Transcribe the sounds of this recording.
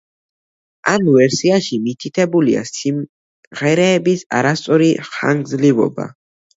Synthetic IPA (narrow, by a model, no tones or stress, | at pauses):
amvɛɾsiaʃimit̪ʰit̪ʰɛbulia̰sim | ʁɛɾɛːbisa̰ɾast̪sʼɔɾiχa̰ŋɡzlivɔ̰ba̰